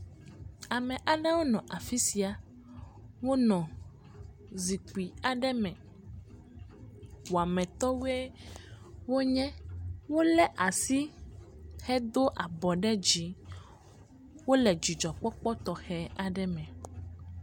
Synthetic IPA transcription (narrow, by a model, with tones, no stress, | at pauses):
a˨mɛ̃˨ʔa˨ɖɛ˦wo˦nɔ̃˨ʔa˨fi˦si˦a˨ | wo˦nɔ̃˨ | zi˨k͡pi˨a˨ɖɛ˦mɛ̃˨ | wo˨a˨mɛ̃˨t̪ɔ˦we˦ | wo˦ɲɛ̃˦wo˦lɛ˦ʔa˨si˦ | xɛ˦d̪o˦ʔa˨bɔ˨ɖɛ˦d͡ʑi˨˦ | wo˦lɛ˨d͡ʒi˨d͡ʒɔ˨k͡pɔ˦k͡pɔ˦t̪ɔ˨xɛ˨a˨ɖɛ˦mɛ̃˨